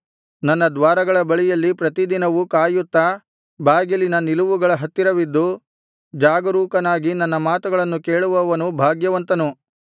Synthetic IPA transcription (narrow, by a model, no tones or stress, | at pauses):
nɐnːɐd̪ʋaːɾɐɡɐɭɐbɐɭijɐlːipɾɐt̪id̪inɐʋukaːjut̪ːɐ | bʱaːɡilinɐniluʋuɡɐɭɐɦɐt̪ːiɾɐʋid̪ːu | d͡ʒaːɡɐɾuːkɐnaːɡinɐnːɐmaːt̪uɡɐɭɐnːukeːɭuʋɐʋɐnubʱaːɡjɐʋɐnt̪ɐnu